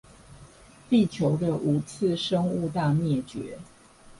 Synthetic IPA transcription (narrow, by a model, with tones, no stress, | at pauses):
t̪i˥˨t͡ɕʰjo˨˦ʊd̪ə˧ʔu˧˥t͡s̩ʰ˥˨ʂə˥ŋu˥˧t̪a˥˧mjɛ˥˩t͡ɕɥɛ̰˨˦